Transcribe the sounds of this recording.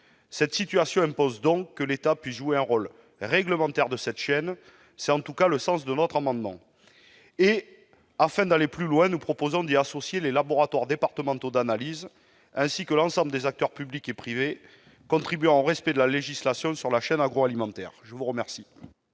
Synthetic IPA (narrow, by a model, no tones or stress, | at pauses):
sɛt̪sit̪ɥasjɔ̃ɛ̃pɔzd̪ɔ̃kːəlet̪apɥis̬ʒueɛ̃ʁɔl | ʁɛɡləmɑ̃t̪ɛʁd̪əsɛt̪ʃɛn | sɛt̪ɑ̃t̪ukaləsɑ̃sd̪ənɔt̪χamɑ̃d̪mɑ̰̃ | e | afɛ̃d̪aleplylwɛ̃nupχɔpozɔ̃d̪iasɔsjelelabɔʁat̪waʁd̪epaʁt̪əmɑ̃t̪od̪analiz | ɛ̃sikəlɑ̃sɑ̃bləd̪ezak̚t̪œʁpyblikepχive | kɔ̃t̪χibɥɑ̃oʁɛspɛd̪əlaleʒislasjɔ̃syʁlaʃɛnaɡʁoalimɑ̃t̪ɛ̰ːʁʒəvuʁəmɛʁsi